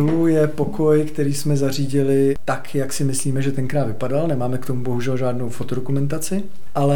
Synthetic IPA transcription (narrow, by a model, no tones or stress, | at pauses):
lujɛpo̞kʰo̞jkt̪ɛɾiːsmɛzar̝iːɟɪlɪt̪akjaksɪmɪsliːmɛʒɛt̪ɛŋkɾaːd̪vɪpadalnɛmaːmɛkt̪omubo̞ɦuʒɛlʒaːdnowfot̪odokumɛnt̪̬at͡sɪ | ʔalɛ